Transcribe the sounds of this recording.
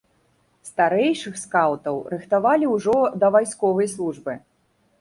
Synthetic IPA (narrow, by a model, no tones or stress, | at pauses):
st̪aɾɛjʂɨxskawt̪ɐwɾɨxt̪avalʲiwʐɔd̪ɐvajsʲkɔvɐjslˠuʐbɨ